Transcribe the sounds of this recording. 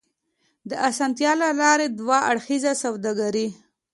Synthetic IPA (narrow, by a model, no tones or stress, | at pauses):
d̪əʔasant̪jɑlalɑɾed̪waaɽxizasawd̪aɡaɾi